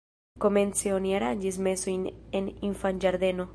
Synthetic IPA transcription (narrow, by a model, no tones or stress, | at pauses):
komenseoniaɾand͡ʒismesojneniɱfand͡ʒaɾd̪eno